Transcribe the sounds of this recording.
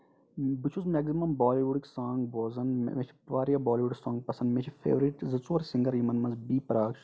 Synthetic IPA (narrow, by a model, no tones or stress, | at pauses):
bit͡ʃʰuzmɛːɡzimɐmbaːliʋuɖiksaːŋɡboːzɐnm̰met͡ʃʰi̥ʋaːɾjabaːliʋuɖiksãːŋɡ̚pɐsɐnmet͡ʃʰifḛːʋɾiʈzɐt͡suːɾsĩŋɡɐɾjimɐnmɐnzbiːpɾaːkʃ